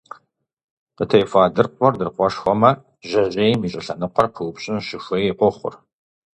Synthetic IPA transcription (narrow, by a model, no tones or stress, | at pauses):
qətʰɐjfaːdɨrqʷɔrdɨrqʷɔʃxʷɔmɐ | ʒɐʑeːjmiɕʼɐɬɐnɨqʷɔrpʰɨwʊpɕʼɪnʃɪxʷɐjeqʷɔχʷʊ̰r